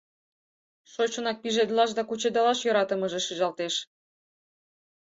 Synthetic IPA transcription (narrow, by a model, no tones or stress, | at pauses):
ʃot͡ɕonɑk̚piʒed̪lɑʃ̬d̪ɑkut͡ɕed̪ɑlɑʃjoɾɑt̪ɤ̆mɤ̆ʒĕʃɯʒɑlt̪eʃ